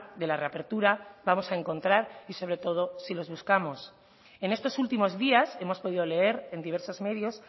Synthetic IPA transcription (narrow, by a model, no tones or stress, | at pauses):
d̪e̞lare̞ape̞ɾt̪uɾabamo̞sae̞ŋko̞nt̪ɾaɾiso̞β̞ɾe̞t̪o̞ð̞o̞silo̞zβuskamo̞s | e̞ne̞st̪osult̪imo̞zðiase̞mo̞spo̞ð̞iðo̞le̞e̞ɾe̞nd̪iβ̞e̞ɾso̞zme̞ðjo̞s